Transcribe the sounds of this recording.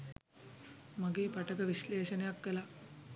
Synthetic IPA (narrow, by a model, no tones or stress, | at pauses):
maɡeːpaʈəkəʋiʃleːʃənejakʋela